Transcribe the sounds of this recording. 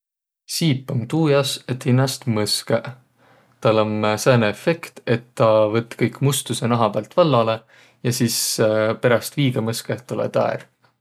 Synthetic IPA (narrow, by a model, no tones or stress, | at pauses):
siːpːˑomt̪uːjɑset̪hinːɑst̪mɤskeʔ | t̪ɑlːomseːneefe̞kt̪e̞t̪ːɑvɤt̪ːˑkɤjkːˑmust̪usenɑɦɑb̥æːlt̪vɑlːɑle̞ | jɑsiːspeɾɑst̪viːɡ̥ɑmɤskeht̪ːulḛt̪ɑ̰ḛɾ